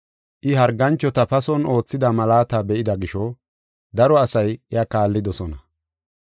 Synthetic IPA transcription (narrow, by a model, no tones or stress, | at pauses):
ʔɪɦɐɾɡɐnt͡ʃːɔt̪ɐpɐsɔno̞ːt͡sːɪd̪ɐmɐlaːt̪abɛʔɪd̪ɐɡɪʃɔ | d̪ɐɾɔɐsɐjɪjakaːlːɪd̪ɔsɔnɐ